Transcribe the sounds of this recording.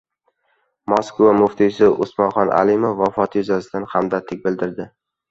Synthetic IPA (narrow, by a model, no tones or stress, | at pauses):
mɒskvamʊft̪ʰɪsɪʊsmɒnχɒnʔa̰lɪmofːɒfɒt̪ʰjʊzasɪd̪anhamd̪at̪ʰɪk̚ʲbɪld̪ɪɾd̪ɪ